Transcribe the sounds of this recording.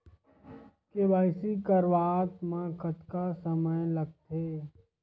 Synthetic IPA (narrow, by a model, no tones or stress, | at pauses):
kebaːɪsikəɾʋaːt̪mãkʰət̪kasəməjlɐɡ̚t̪eː